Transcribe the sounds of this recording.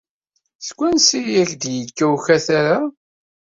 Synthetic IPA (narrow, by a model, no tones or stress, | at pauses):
skʷːænsijæçd̪jəkːæwçæθaɾa